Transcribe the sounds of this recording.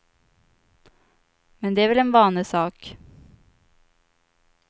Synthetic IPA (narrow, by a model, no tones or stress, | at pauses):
mɛnd̪ɛæːɾvɛlɛnvɑːnəsɑːk